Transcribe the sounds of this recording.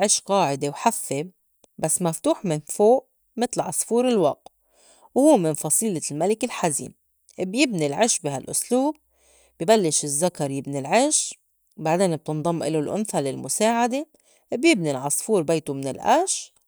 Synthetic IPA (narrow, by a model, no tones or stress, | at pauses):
ʕɪʃqɑːʕɪd̪ewħafːe | basːmaft̪uːħmɪnfoːʔ | mɪt̪lʕɑsˤfuːɾɪlwɑq̚t̪ | whuːmɪnfɑsˤiːlɪlmalɪkɪlħazḭːn | ʔbjɪbnilʕɪʃbiɦalʔʊsluːb̚ | bjibalːɪʃɪzːakɑɾˤjɪbnilʕɪʃ | baʕd̪eːnb̚t̪ɨnd̪ˤɑmːʔɪlulʔʊ̰nθalɪlmʊsaːʕad̪e | bjɪbnilʕɑsˤfuːɾbeːt̪umɪnɪlʔa̰ʃ